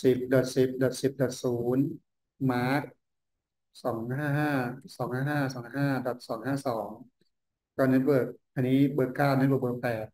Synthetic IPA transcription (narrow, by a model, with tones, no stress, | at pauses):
si˨˩p̚dɔ˨˩t̪̚si˨˩p̚dɔ˨˩t̪̚si˨˩p̚dɔ˨˩t̪̚suː˩˦n | maː˦˥t̪̚ | sɔː˩˦ŋhaː˥˩ɦaː˥˩sɔː˩˦ŋhaː˥˩ɦaː˥˩sɔː˩˦ŋɦaː˥˩dɔ˨˩t̪̚sɔː˩˦ŋhaː˥˩sɔː˩˦ŋ | kɔ˧ne˦˥t̪̚bɤː˨˩k̚ʔa˧nːiː˦˥bɤː˧kaː˥˩wn̚˧˦˥bəː˧˨˩bɤː˧˩k̚pɛː˨˩t̪̚